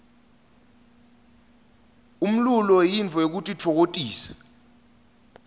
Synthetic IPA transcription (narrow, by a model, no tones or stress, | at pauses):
um̩lulɔjint͡fɔek̬utʼitʰɔk̬otʼiːsɛ̥